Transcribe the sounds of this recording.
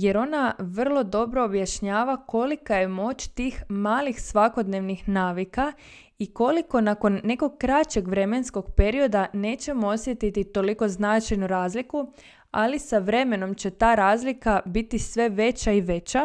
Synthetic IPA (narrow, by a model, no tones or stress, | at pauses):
je̞ɾo̞naʋr̩lˠo̞d̪o̞bɾo̞ːbjaʃɲaːʋako̞likaje̞mo̞t͡ɕt̪iːxmaːlixsʋako̞d̪ne̞ʋnixnaːʋika | iko̞liko̞nako̞nːe̞ko̞ɡ̚kːɾat͡ɕe̞ɡʋɾe̞me̞nsko̞ɡ̥pe̞ɾio̞d̪ane̞ːt͡ɕe̞moosje̞t̪it̪it̪o̞liko̞znat͡ʃajnuɾaːzliku | alisaʋɾe̞me̞no̞mt͡ɕe̞t̪aːɾaːzlikabit̪isʋe̞ʋe̞t͡ɕaiʋe̞t͡ɕa